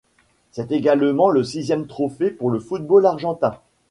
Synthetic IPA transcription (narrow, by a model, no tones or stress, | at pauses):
sɛt̪eɡalmɑ̃ləsizjɛmt̪χofepuʁləfut̪̚bolaʁʒɑ̃t̪ɛ̃